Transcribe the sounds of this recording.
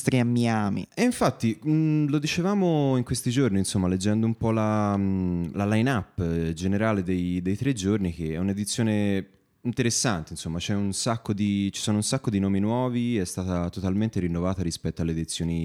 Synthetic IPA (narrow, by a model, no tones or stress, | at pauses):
st̪ɾiamːjaːmḭeiɱfat̪ːilod̪it͡ʃevaːmoiŋkwest̪id͡ʒorninsomːaled͡ʒːɛnd̪oumpɔla | lalajnapːd͡ʒeneɾaːled̪ejd̪ejt̪ɾed͡ʒornik̟eɛuned̪it̪sjoːne | int̪eɾesːant̪einsomːat͡ʃɛunsakːod̪it͡ʃi̥soːnounsakːod̪inoːminwɔːviɛst̪aːt̪at̪ot̪alment̪eɾinːovaːt̪aɾispɛt̪ːoalːed̪it̪sːjoːni